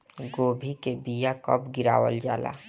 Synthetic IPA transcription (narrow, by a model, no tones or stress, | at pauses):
ɡoːbʱikebijakəbɡɪɾa̰ːwə̰ld͡ʒaːla̰ː